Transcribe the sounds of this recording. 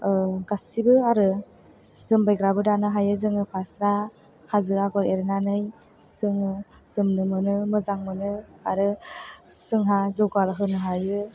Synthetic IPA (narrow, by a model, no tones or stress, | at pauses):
ɡasibɯaɾɯ | z̥ɯmbajɡɾabɯdanɯɦajɯzɯŋɯpʰasɾa | hazɯaɡɔɾeɾɯnanɯj | sɯŋɯ | z̥ɯmnɯmɯnɯmɯzaŋmɯnɯ | aɾɯ | sɯŋɦazɯwɡalɦɯnɯɦajɯ